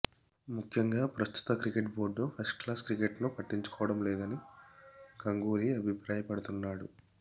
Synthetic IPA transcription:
mukʰjɐŋɡaːpɾɐst̪u̥t̪ɐkɾikeʈbo̞ːɖːopʰɐsʈklaːskɾikeʈnupɐʈːiɲt͡ʃu̥kɔːʋɐɽɐmlɛːd̪ɐni | ɡɐŋɡuːɾiɐbʱipɾaːjɐpɐɽut̪unːaːɽu

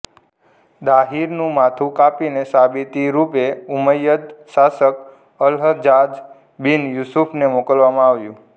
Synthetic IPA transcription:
d̪aɦiɾnũmat̪ʰũkapinesabit̪iɾupeuməjəd̪ʃasək | əlɦəd͡ʒad͡ʒ | binjusupʰnemokəlʋamãaʋjũ

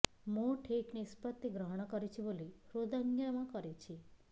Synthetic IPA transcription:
moʈʰeknispət̪ːiɡɾəɦəɽ̃kəɾit͡ʃʰiboliɾod̪əŋɡjamãkəɾet͡ʃʰi

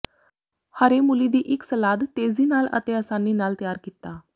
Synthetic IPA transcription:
haɾemulid̪iːʔiksəlad̪t̪ed͡ziːnalə̰t̪eəsanːiːnalt̪əjaɾkit̪a

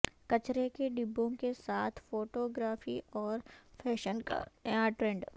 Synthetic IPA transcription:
kɐt͡ʃɾekeɖɪbːõkesaːt̪ʰfoːʈoːɡɾaːfiɔːɾfʰɛːʃənka̰ãʈɾẽːɳɖ

